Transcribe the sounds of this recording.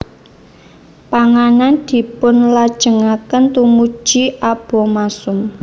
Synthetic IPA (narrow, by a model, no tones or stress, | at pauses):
paŋanand̪̥i̤pʊnlad̥ʒ̥ə̤ŋakənt̪umud̥ʒ̥iʔab̥ɔ̤masʊm